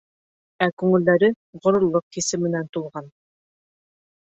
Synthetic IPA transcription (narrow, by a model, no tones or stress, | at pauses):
ækʉŋɘ̆ld̪æɾɘ | ʁŏɾŏɾlˠːoq̚kisɘmɘ̆nænt̪ulˠʁɑn